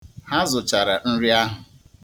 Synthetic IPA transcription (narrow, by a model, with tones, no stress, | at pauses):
ha˦zʊ˨t͡ʃa˨ɾa˨n̩˦ɾi˦a˦ɦʊ˨